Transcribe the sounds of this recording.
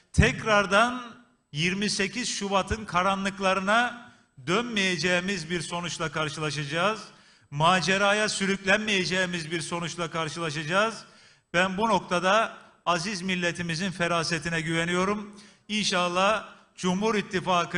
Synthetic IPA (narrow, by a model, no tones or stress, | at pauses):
t̪ʰɛcɾaɾd̪an | jiɾmise̞cʰiz̥ʃuβat̪ʰɯnkʰaɾanlˠɯklˠaɾɯna | d̪ønmijed͡ʒeimizbiɾso̞nut͡ʃlˠakʰaɾʃɯlˠaʃ̬ad͡ʒaːz | maːd͡ʒeɾaːjasyɾyclʲænmijed͡ʒeimizbiɾso̞nut͡ʃlˠakʰaɾʃɯlˠaʃad͡ʒaːz | b̥ænbuno̞k̚t̪ʰad̪aː | zizmilʲːet̪ʰimizinfeɾaːset̪ʰinɛɟyve̞nijo̞ɾum | inʃalˠːah | d͡ʒumhuɾit̪ʰːifaːkɯ